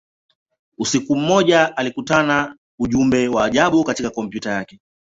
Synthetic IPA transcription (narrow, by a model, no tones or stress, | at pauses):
usikum̩ːɔʄaʔalikutana | uʄumbɛwaːʄaɓukatikakɔmpjutajakɛ